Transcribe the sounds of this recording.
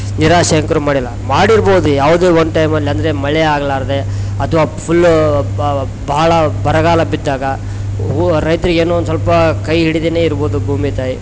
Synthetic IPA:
niɾaːʂɐɐŋkɐɾumaːɽilːɐmaːɽiɾboːd̪ujaːʋud̪eːʋɐnʈɐjmɐlːiɐnd̪ɐɾemɐɭɛaːɡɐlaːɾɐd̪e̞ɐt̪ʰɐʋaːpʰulː | bɐɐɭɐbʱɐɾɐɡaːlɐbid̪ːaːɡɐ | uɾɐjt̪ɐɾiɡeːnoːnsɐlpɐkɐjɦiɽid̪eneːiɾboːd̪ubʱuːmit̪aːji

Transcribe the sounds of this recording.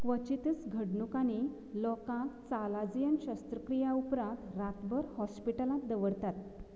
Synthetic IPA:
kʋət͡ɕit̪ət͡sɡʱəɽɳukaɽ̃i | lɔkãkt͡salad͡zjənɕast̪ɾəkɾijaupɾãt̪ɾat̪bəɾhɔspiʈəlãt̪̚d̪əʋəɽt̪at̪

